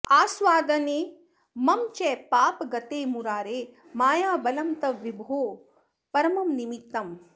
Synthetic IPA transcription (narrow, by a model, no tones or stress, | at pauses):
aːsʋaːd̪ɐneː | mɐmt͡ʃɛːpaːpɡɐt̪eːmuɾaːɾeː | maːjaːbɐlɐmt̪ɐʋibʱoː | pɐɾɐmɐmnimik̚t̪ɐm